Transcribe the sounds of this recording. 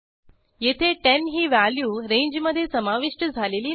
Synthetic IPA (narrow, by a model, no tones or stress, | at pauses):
jet̪ʰeʈenɦiːʋaljuːɾẽɲd͡ʑməd̪ʱːjesəmaʋiʂʈəd͡zʱaleliː